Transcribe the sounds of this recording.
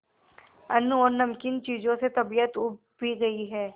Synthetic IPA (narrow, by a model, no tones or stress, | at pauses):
ɐnːuɔːɾnɐmkɪnt͡ʃiːzõset̪ɐbijət̪uː | bʱiɡɐiɦɛː